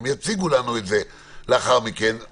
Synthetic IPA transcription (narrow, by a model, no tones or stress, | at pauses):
mjat͡siɡulanuetze | leaχaʁmike̞n